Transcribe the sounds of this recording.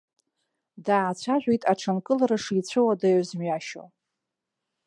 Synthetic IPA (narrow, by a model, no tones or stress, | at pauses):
daːt͡ɕʷʰaʒʷᶣijtʼaʈ͡ʂʰankʼɨlaɾaʂit͡sʷʰɨwadajzmɥaʃo̰